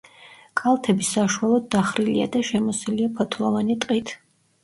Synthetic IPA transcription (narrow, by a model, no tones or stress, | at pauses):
kʼalˠt̪ʰɛbisaʃuwalˠɔd̪̚ːaχɾilia̰d̪aʃɛmɔsiliapʰɔt̪ʰlˠɔvanit̪ʼqʼit̪ʰ